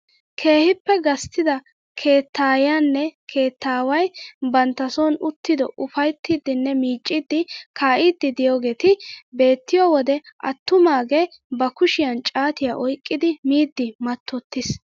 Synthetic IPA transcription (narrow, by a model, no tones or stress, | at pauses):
kʰe̞ːhɪpːɛɡɐst̪ːɪd̪ɐ | kʰe̞ːt̪ːaːjanːɛkʰe̞ːt̪ːaːwɐjbɐnt̪ːɐsɔːnʊt̪ːɪd̪ɔʔʊfɐjt̪ːid̪ːɪnːɛmiːt͡ʃʼːɪd̪ːɪkaːʔid̪ːɪd̪ɪjoːɡe̞ːt̪ɪbe̞ːt̪ːɪjɔwɔd̪ɛʔɐ̰t̪ːʊmaːɡeː | bɐkʊʃɪjɐnt͡ʃʼaːt̪ɪjaːʔɔjkʼːɪd̪ɪmiːd̪ːɪmɐt̪ːɔt̪ːɪs